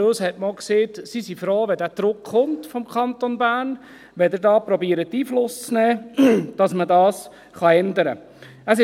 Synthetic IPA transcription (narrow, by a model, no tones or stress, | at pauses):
oshɛtmolkseːtsisifɾoːʋɛdæːd̥ɾʊkχʊmtfɔmkʰχɑnt̪onbæːn | ʋɛdəɾdɑːpɾɔbiːɾətːiːflʊst͡snɛːd̥ɑsmədɑːs | χɑɛndəɾə̰ | əsɪ